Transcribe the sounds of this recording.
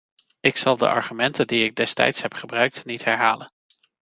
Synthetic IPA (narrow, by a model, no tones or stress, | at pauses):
ɪksɑlˠdə̰ʔɑ̰ɹχymɛntəndiɪɡ̚dɛstɛ̰jtsɦɛpχəbrœɥk̚tnitɦɛɹɦaːlən